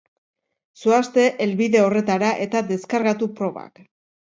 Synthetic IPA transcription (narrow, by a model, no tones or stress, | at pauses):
suast̪e̞ʔelβiðe̞o̞re̞t̪aɾaʔe̞t̪ad̪e̞skaɾɣat̪upɾo̞βa̰k